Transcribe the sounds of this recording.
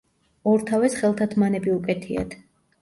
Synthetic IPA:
ɔɾt̪ʰavɛsχɛlˠt̪ʰat̪ʰmanɛbiukʼɛt̪ʰia̰d̪

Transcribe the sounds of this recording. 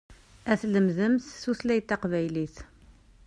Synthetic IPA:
æθləmzəmsːuθlæjt̪æqvæjliθ

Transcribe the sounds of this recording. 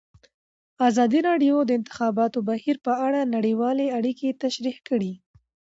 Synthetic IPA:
azɑd̪iɾɑɖjod̪əɪnt̪ɪ̥xɑbɑt̪obahiɾpəaɽanaɽiwɑleaɽiket̪aʃɾihkəɽi

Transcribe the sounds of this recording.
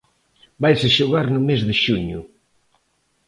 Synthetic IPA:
bajsɪʃʊɣaɾnʊmezðɪʃuɲʊ

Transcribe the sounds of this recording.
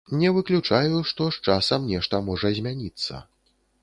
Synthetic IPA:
nʲɛvɨklʲut͡ʂajuʂt̪ɔʂt͡ʂasɐmnʲɛʂt̪ɐmɔʐɐzʲmʲanʲit̪sːɐ̰

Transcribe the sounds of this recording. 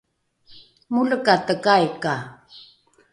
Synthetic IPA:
muləkat̪əkajka

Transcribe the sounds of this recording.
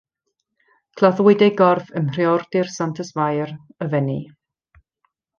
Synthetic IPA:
kʰlˠaðwɪdejɡɔrfəmr̥iɔrd̥ɪrsantʰəsvajrəvɛni

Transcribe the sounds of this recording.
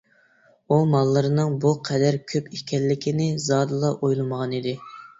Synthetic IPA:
umɑlˠːɨɾɨnɨŋbuqʰɛd̪æɾkʲʰøpikʲʰɛlːɪkʲinɪzɑːd̪ɨlˠɑʔojlˠɨməʁɑnid̪ɪ

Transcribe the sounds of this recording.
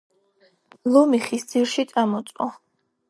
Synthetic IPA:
lɔmiχisd̪ziɾʃit̪sʼamɔt̪sʼɔ̰

